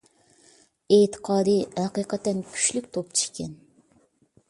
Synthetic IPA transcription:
et̪ʰə̥qʰɑːd̪ɨhɛqiqət̪ːɛnkʲʰy̥ʃlykʲt̪ʰop̚t͡ʃʰi̥ʃkʲɛn

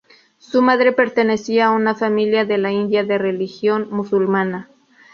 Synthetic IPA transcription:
sumaðɾe̞pe̞ɾt̪e̞ne̞siaːunafamiljaðe̞laind̪jaðe̞re̞lixjo̞nmusulmana

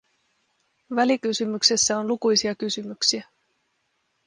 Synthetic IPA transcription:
ʋælikysymyksesːæo̞nlukujsiɑkysymyksiæ

